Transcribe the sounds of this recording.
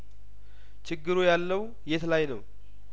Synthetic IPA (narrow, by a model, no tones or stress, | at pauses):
t͡ʃʰɪɡːɨɾujalːəw | jet̪lajnəw